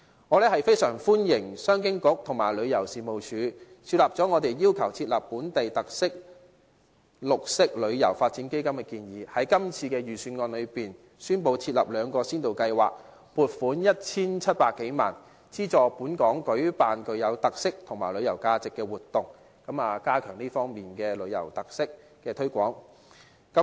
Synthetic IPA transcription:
ŋɔ˨˧lɛː˥hɐ˨jfe˥jsœː˨˩ŋfuː˥njɪ˨˩ŋsœː˥ŋkɪ˥ŋkʊ˨˥k̚t̪ʰʊ˨˩ŋmaː˨˩lɵ˨˧ɥjɐ˨˩wsiː˨mo˨wt͡ʃʰyː˨˧ | t͡sʰiː˧t̚lɐː˨p̚t͡sɔː˨˥ŋɔː˨˧t̪e˨jjiː˥wkʰɐ˨˩wt͡sʰiː˧t̚lɐ˨˩pːuː˨˥nt̪e˨jt̪ɐ˨k̚sɪ˥k̚ | lʊ˨k̚sɪ˥k̚lɵ˨˧ɥjɐ˨˩wfaː˧t̚t͡si˨˥nke˥jkɐ˥mkɛː˧kiː˧njiː˨˥hɐ˨˥jkɐ˥mt͡sʰiː˧kɛː˧jyː˨˩syː˧nŋɔː˧nlɵ˨˧ɥpiː˨˩n | syː˥npo˧wt͡sʰiː˧t̚lɐ̰˨p̚lœː˨˧ŋkɔː˧siː˥nt̪o˨wkɐ˧jwa̰ː˨k̚ | puː˨˩t̚fuː˨˥njɐ˥t̚t͡sʰiː˥nt͡sʰɐ˥t̚paː˧kːe˨˥jma̰ː˨˩n | t͡siː˥t͡sɔː˨˧puː˨˥nkɔː˨˥ŋkɵ˨˥ɥpaː˨nkɵ˨ɥjɐ˨˧wt̪ɐ˨k̚sɪ˥k̚t̪ʰʊ˨˩ŋmaː˨˩jlɵ˨˧ɥjɐ˨˩wkaː˧t͡sɪ˨kːɛː˧wuː˨t̪ːʊ˨˩ŋ | kɐ˨˥maː˨kaː˥kʰœː˨˩ŋliː˥fɔː˥ŋmiː˨nkɛː˧lɵ˨˧˥ɥjɐ̰˨˩wt̪ɐ˨k̚sɪ˥k̚ː | ɛː˧t̪ʰɵ˥ɥkʷɔː˨˥ŋ | kɐ˨˦˥

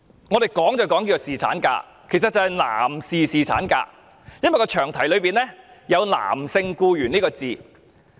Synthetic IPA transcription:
ŋɔ˨˧ɾe˨jkɔː˨˥ŋt͡sɐ˨˩wkɔː˨˥ŋk̬i˧jɐ˨˩siː˨t͡sʰa̰ː˨˥nka̰ː˧ | kʰe˨˩jsɐ˨t̚t͡sɐ˨˧hɐ˨jla̰ː˨˩msiː˨siː˨t͡sʰaː˨˥nka̰ː˧ | jɐ˥nwɐ˨jkɔː˧t͡ʃʰœː˨˩ŋt̪ʰɐ˨˩jlɵ˨˧ɥpiː˨nlɛː˥jɐ˨˧wla̰ː˨˩msɪ˧ŋkuː˧jyː˨˩nliː˥kɔː˧t͡siː˨˩

